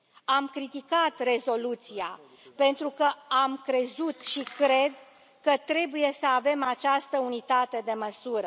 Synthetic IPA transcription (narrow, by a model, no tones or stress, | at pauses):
amkɾit̪ikat̪re̞zo̞lut̪sia | pe̞nt̪ɾukəamkɾe̞zut̪ʃikɾe̞d̪ | kət̪ɾe̞buje̞səave̞mat͡ʃast̪əunit̪at̪e̞d̪e̞məsuɾə